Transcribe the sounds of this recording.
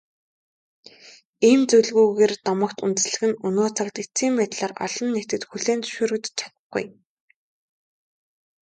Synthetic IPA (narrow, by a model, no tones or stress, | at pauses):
iːmt͡sɵɮɣuːɣeːrt̪ɔmɞ̆kt̪unt̪ɘ̆sɮɘ̆ɣɘ̆nɵnoːt͡sʰakt̪it͡siːmpæːt̪ɮaːrɔ̰ɮɞ̆nːekt̪ɘ̆t̪xuɮeːnt͡sɵ̥ʃoːɾɵ̆kt̪t͡ɕʰḁt̪ə̆χɡṵj